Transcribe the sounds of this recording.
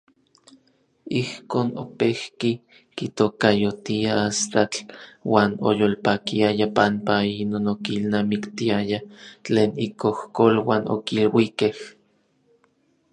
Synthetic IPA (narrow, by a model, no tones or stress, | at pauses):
ihkoːno̰pehki | kit̪okajot̪iaast̪at͡ɬwaːno̰joːlpakiajapampainonokilnaːmikt̪iajat͡ɬeːnikohkolwaːnʔo̰kilwikeh